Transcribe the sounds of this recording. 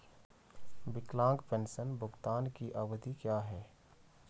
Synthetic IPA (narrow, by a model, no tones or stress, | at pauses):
bɪklãːŋɡpɛ̃nsənbʱʊɡt̪aːnkiʔaːwd̪ikjaːɦɛː